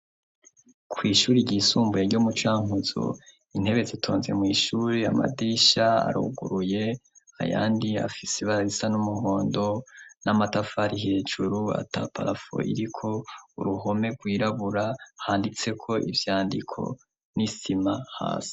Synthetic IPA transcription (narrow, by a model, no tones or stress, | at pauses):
kʰwiːʃuːɾiɾɟiːsuːmbujeɾɟomut͡ʃaːŋuzo̰ | in̥e̞βe̞zitʰoːnze̞mwiːʃuɾeama̰diʃaa̰ɾṵɡuɾuje̞a̰ja̰ːndia̰fiseβaɾaɾisanumuhoːndo̞namatafaɾihe̞ːd͡ʒuɾua̰tapa̰ɾafo̰ʔḭɾikʰo̞uɾuɦo̞me̞ɡwiːɾaβuɾahaːndit͡se̞kʰo̞ʔḭvjaːndikʰo̞̰ | nisimaha̰ːsḁ